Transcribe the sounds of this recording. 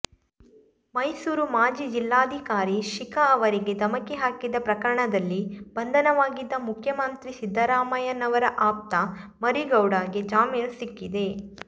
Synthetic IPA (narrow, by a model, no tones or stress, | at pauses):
mɐjsuːɾumaːd͡ʒiːd͡ʒilːaːd̪ʱikaːɾiʃikɐɐʋɐɾiɡed̪ɐmɐkeɦaːkid̪ɐpɾɐkɐɾɐɳɐd̪ɐlːibɐnd̪ʱɐnɐʋaːɡid̪ːɐmukʰjɐmɐnt̪ɾisid̪ʱːɐɾaːmɐjɐnɐʋɐɾɐʔaːp̚t̪ɐmɐɾiɡɐwɽaːɡed͡ʒaːmiːnɐsikːid̪e̞